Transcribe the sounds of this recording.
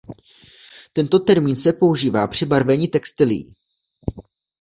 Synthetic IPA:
t̪ɛnt̪o̞t̪ɛɾmiːnsɛpo̞uʒiːvaːpr̥ɪbaɾvɛɲit̪ɛkst̪ɪlɪ̰jḭː

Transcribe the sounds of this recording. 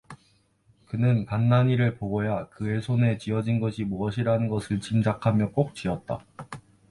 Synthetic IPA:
kɯnɯnkanːaɲiɾɯɭpoɡojakɯe̞sʰone̞t͡ɕiʌd͡ʑinɡʌɕʰimoʌɕ̬ʰiɾanɯnɡʌsʰɯɭt͡ɕimd͡ʑakʰamjʌk͈ok̚t͡ɕ͈iʌt̚t͈a̰

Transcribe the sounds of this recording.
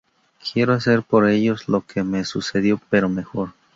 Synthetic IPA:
kʰje̞ɾo̞ase̞ɾpo̞ɾe̞ʝo̞zlo̞keme̞suse̞ðjo̞pe̞ɾome̞xo̞ɾ

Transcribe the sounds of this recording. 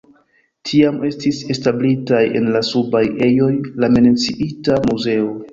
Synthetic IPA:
tʰiame̞stise̞stablitaje̞̰nlasubaje̞jo̞jlame̞net͡siʔitamuze̞o̞

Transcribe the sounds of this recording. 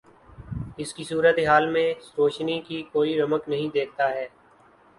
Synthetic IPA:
ɪskisuːɾət̪eɦaːlmẽsɾoːʃnikikoːiɾɐməknɐɦĩd̪eːk̚ʰt̪aɦɛː

